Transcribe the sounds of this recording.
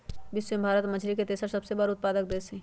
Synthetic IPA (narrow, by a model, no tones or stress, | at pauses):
bɪswembʱaːɾət̪məd͡ʒʰʱɾiket̪eːsəɾsɐbsebəɾʊt̪̚paːd̪ək̚d̪eːsẽ